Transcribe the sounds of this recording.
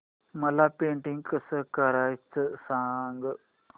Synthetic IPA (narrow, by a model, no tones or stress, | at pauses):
mɐlapẽːɳʈiŋɡkəsəkəɾaːit͡səsaŋɡ